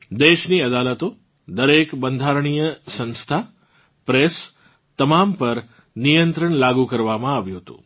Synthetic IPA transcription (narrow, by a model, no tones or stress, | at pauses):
d̪eʃniəd̪alət̪o | d̪əɾekbənd̪ʱaɾɳ̃ijəsə̃nst̪ʰa | pɾes | t̪əmampəɾ | nijənt̪ɾəɳlaɡukəɾʋamãaʋjũɦət̪ṵ̃